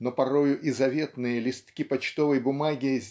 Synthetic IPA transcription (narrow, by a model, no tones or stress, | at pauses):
nopɐɾojʊʔɪzɐvʲet̪nɨjəlʲɪst̪kʲipɐt͡ɕt̪ovəjbʊmaɡʲɪzʲ